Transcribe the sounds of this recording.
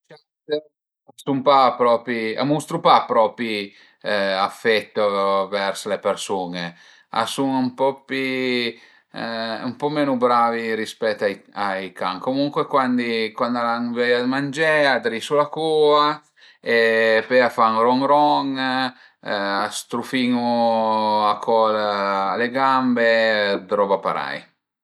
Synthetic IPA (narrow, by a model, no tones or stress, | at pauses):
t͡ʃa | t̪e | sumpapːɾɔːpia̰must̪ɾupapːɾɔːpi | afːɛt̪ːovɛrslepeɾsuːne | a̰suŋumpɔpi | ṵmpɔmɛːnubɾaːviɾispɛt̪ːajajka̰ŋkomuŋkwekwand̪ikwand̪alaŋvɛjad̪mand͡ʒɛad̪ɾisulakuːa | epɛafaŋrɔŋɾɔŋ | ast̪ɾufiŋu | akʰɔlaleɡambed̪ɾɔbapa̰ɾa̰j